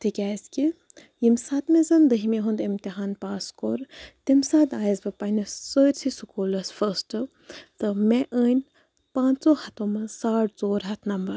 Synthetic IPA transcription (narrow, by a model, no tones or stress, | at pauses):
t̪ʰikʲaːski | jimsat̪mezɐnd̪ɨɦimeɦund̪emt̪iɦaːnpaːskoɾt̪imsaːd̪aːjzbɐpɐnisːəːɾʲsʰisukuːlɐsfɐsʈɨ | t̪ɨmẽʔəːnʲ | pãːnt͡soːhɐt̪omɐsaːʈzoːɾɦɐt̪ʰnɐmbɐɾ